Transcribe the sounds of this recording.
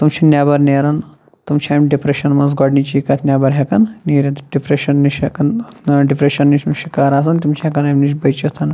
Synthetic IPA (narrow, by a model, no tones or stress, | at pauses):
t̪umt͡ʃʰinʲjaːbɐɾneːɾɐn | t̪umt͡ʃʰʲaːmʲɖipɾeʃɐnmɐnzɡɔɖnit͡ʃikɐt̪ʰnʲaːbɐɾɦʲekɐnniːɾʲɐt̪ɖipɾeʃɐnːiʃɦɐkɐnɖipɾeʃɐnːit͡ʃʲmʃikaːɾaːs̬ɐnt̪imt͡ʃʰiɦɐkɐnaːmʲniʃ̬bɐjt͡ʃɐt̪ʰɐn